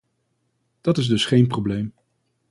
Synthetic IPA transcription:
d̥ɑtɪzdɵsχejnprowblejm

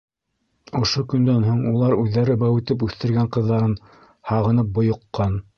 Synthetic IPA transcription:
ŏʃokɵ̆nd̪ænɦoɴulˠɑɾʉðːæɾɘbæwɘ̆t̪ɘp̬ʉθt̪ɘ̆ɾɡæɴqɤ̆ðːɑɾɤn | hɑʁɤ̆nɤp̚bŏjŏqːɑn

